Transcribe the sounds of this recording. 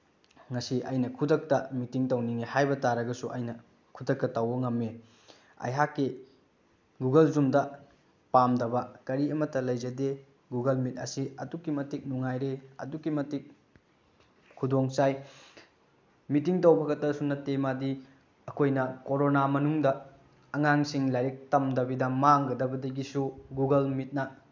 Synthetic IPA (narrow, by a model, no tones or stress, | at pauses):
ŋɐsiʔɐjnɐkʰudɐk̚tɐmitiŋtɐwniŋehajbɐtaɾɐɡɐsuʔɐjnɐ | kʰudɐk̚tɐtɐwɐŋɐmːe | ɐ̰jɦakːi | ɡuɡɐlzumdɐ | pamdɐbɐkɐɾiɐmɐtːɐlɐjzɐde | ɡuɡɐlmit̚ɐ̰siɐdukimɐtik̚nuŋajɾeɐ̰dukːimɐtik̚ | kʰudoŋsaj | mitiŋtɐwbɐɡɐtɐsunɐtemadi | ɐkʰojnɐkoɾonamɐnuŋdɐː | ŋaŋsiŋlajɾek̚tɐmdɐbidɐmaŋɡɐdɐbɐdɐɡisuɡuɡɐlmit̚nɐ